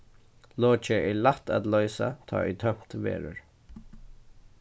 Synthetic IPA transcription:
loːt͡ʃəʔɛɹlat̪at̪lœʏsat̪ʰɑ̰ːɛt̪ʰœm̥t̪ʋḛːɹə̰ɹ

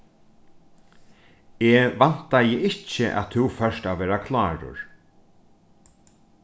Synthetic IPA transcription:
eːʋan̥t̪ajɪʔɪt͡ɕɪʔa̰t̪ʰuwfœʂt̪aʋɛːɾakʰlaːɹʊ̰ɹ

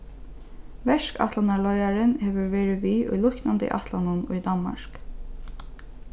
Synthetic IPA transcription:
ʋɛʃka̰t̪lanaɭɔʏaɾɪnheːʋəʋeːɹɪʋiːʔʊ̰jlʊknand̪ɪ̰ʔɑ̰t̪ʰlanʊnʊjd̪ɑnma̰ɹk

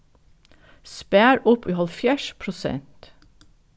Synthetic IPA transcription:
spæːɾʊpiːhɑlfjæːʃpʰɾʊsɛ̰nt̪

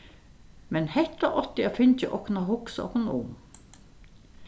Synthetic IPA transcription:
mɛnhɛt̪ɑʔɔt̪ɪjɑfʏnt͡ʃəʔɔknɑhʊksɔ̰knṵːm

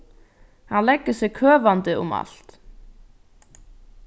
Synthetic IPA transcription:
hanlɛkːə̥sɪɣkʰœːvant̪ɪʊ̰ma̰lt̪

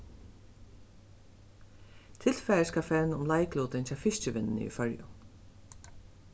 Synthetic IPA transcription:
t̪ʰɪlfɛːəskafɛɹnʊmlajkluːt̪ɪnt͡ɕʰafɪʃt͡ɕɪʋɪnɪnə̰ḭfœɹjʊ̰

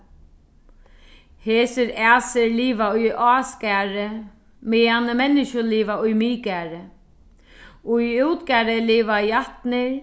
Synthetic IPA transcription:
heːsɪɾɛːsɪɾliːvaʊjʔɔːskæːɾɪ | mɪːanəmɛnːɪʃʊliːʋaʊjmiːkaːɾɪ | ʊuwt̪kaɾɪliːʋajaht̪nɪɾ

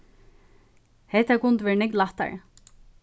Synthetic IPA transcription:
hɛht̪akʊnt̪ʋɛɹnɪklaht̪a̰ɹ

